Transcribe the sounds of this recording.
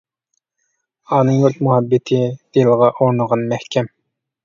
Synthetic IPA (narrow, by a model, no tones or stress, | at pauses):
ɑːnɨŋjolt̪muɦɛbːɪt̪ʰɪd̪̥elʁɑʔoɾnəʁɑnmɛhkʲʰɛm